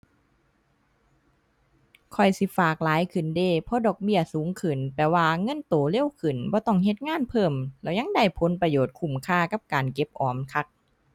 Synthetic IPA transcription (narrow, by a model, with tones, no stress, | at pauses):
kʰɔ˧˩jsi˧˦faː˨˩k̚laː˨˦jkʰɯ˨˩ndeː˧˩pʰɔ˧˥dɔː˨˩k̚bi˧˩ɐsuː˨˦ŋkʰɯ˨˩npɛː˨˩waː˧ŋɤ˧˥˨nt̪oː˨˩le˧˥˨wkʰɯ˨˩nbɔː˧˦t̪ɔ˧˩ŋhe˧˦t̪̚ŋaː˧˥˨npʰɤː˧˩mlɛː˧˩jɲa˧˥˨ŋda˧˩jpʰo˨˦npɾa˧joː˨˩t̪̚kʰu˧˩mkʰaː˧˩ka˧˥p̚kaː˨nke˧˥p̚ʔɔː˨˩mkʰa˧k̚